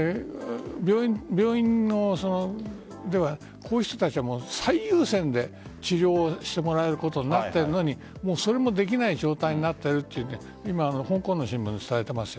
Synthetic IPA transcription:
bʲjoːibʲo̞ːĩnːo̞so̞no | d̪e̞βa | kʰo̞ːɯ̟çi̥t̪o̞t̪at͡ɕiβamoːsaijɯːsẽ̞nd̪e̞t͡ɕiɾʲo̞ːɕi̥t̪e̞mo̞ɾae̞ɾɯ̟ko̞t̪o̞ɲ̟inat̪ːe̞ɾɯ̟no̞ɲ̟i | mo̞ːso̞ɾe̞mo̞d̪e̞k̬ʲinaiʑo̞ːt̪aiɲ̟inat̪ːe̞ɾɯ̟t̪ːejɯ̟ne | imaːno̞hõ̞ŋkõ̞nːo̞ɕĩmbɯ̟̃net͡sɨ̥t̪aet̪e̞masɨ̥jo

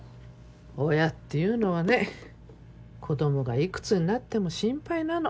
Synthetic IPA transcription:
ojat̪ːe̞jɯ̟ːno̞β̞ane̞ | kʰo̞d̪o̞mo̞ɡaikɯ̟̥t͡sɨɲ̟inat̪ːe̞mo̞ɕĩmpainano

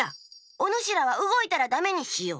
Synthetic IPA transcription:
a | onoɕiɾaβ̞aɯ̟ɡo̞it̪aɾad̪ame̞ɲ̟iɕijo̞̰ː

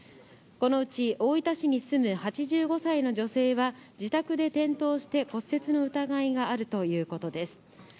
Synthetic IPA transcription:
ko̞no̞ɯ̟t͡ɕio̞it̪aɕiɲ̟isɨmɯ̟hat͡ɕiʑɨːɡo̞saino̞ʑo̞se̞ːβad͡ʑit̪akɯ̟d̪e̞t̪ẽ̞nt̪o̞ːɕi̥t̪e̞ko̞sːe̞t͡sɨno̞ɯ̟t̪aɡaiɡaːɾɯ̟t̪o̞jɯ̟ːko̞t̪o̞d̪e̞sɨ̥

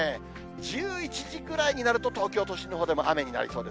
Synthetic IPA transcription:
e | d͡ʑɨːit͡ɕiʑikɯ̟ɾaiɲ̟inaɾɯ̟t̪o̞t̪o̞ːkʲo̞ːt̪o̞ɕinoɦoːd̪e̞moʔame̞ɲ̟ina̰ɾʲḭso̞ːd̪e̞

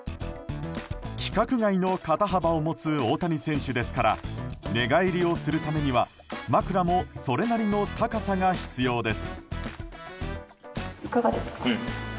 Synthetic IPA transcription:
kʲi̥kakɯ̟ɡaino̞kat̪aɦabaomo̞t͡sɨo̞ːt̪aɾʲisẽ̞ɰ̃ɕɨd̪e̞sɨ̥kaɾa̰ne̞ɡaiɾʲio̞sɨɾɯ̟t̪ame̞ɲ̟iβa | makɯ̟ɾamo̞so̞ɾe̞naɾʲino̞t̪akasaŋaçi̥t͡sɨjo̞ːd̪e̞sɨ̥ | ikaɡad̪esɨ̥ka

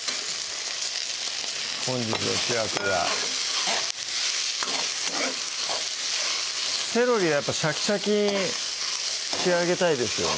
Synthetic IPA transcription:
hõ̞ɲ̟d͡ʑit͡sɨβaɕʲiɡakɯɡa̰ | se̞ɾo̞ɾʲiβajapːaɕakʲi̥ɕakʲiɲ̟i | teaɡe̞t̪aid̪e̞sɨjo̰n

